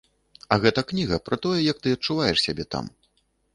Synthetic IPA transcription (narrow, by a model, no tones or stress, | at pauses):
ɐɣɛt̪ɐknʲiɣɐpɾɐt̪ɔjɛjɐk̚t̪ɨɐt̚t͡ʂːuvajɛʂsʲabʲɛt̪a̰m